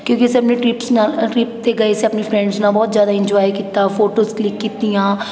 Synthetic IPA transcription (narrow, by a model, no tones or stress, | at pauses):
kjõːkiɛseɐpneʈɾiːpsnaʈɾiːpt̪eɡɐeseɐpnifɾɛ̃ɳɖznabɔːt̪zjaːd̪aɪ̃ɲd͡ʒɔːjkiːt̪afoːʈoːzklɪkːiːt̪ijãː